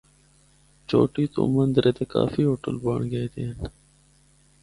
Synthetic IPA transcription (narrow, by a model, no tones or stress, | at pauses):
t͡ʃo̰ːʈiːt̪o̰ːmənd̪ɾʔeːt̪eːka̰ːfiːɦoːʈə̰lbaːɳɡeet̪eːn